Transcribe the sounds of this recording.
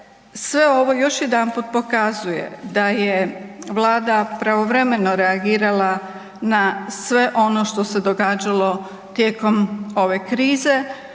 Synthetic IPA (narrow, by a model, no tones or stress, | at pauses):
sʋe̞o̞ʋo̞jo̞ʃje̞d̪anpuːt̪̚po̞kazujḛd̪ajeʋlˠaːd̪apɾaʋo̞ʋɾe̞me̞no̞ɾeaɡiːɾalˠa | nasʋe̞ʔo̞no̞ʃt̪o̞se̞d̪o̞ɡaːd͡ʑalˠo̞ | t̪je̞ːko̞mo̞ʋe̞kɾiːze̞